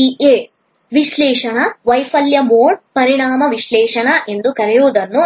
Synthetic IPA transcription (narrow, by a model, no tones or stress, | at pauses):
ieː | ʋiʃlɛːʂɐɳɐʋɐjfɐljɐmoːɳpɐɾiɳaːmɐʋiʃlɛːʂɐɳɐʔe̞nd̪ukɐɾɛjuʋud̪ɐnːu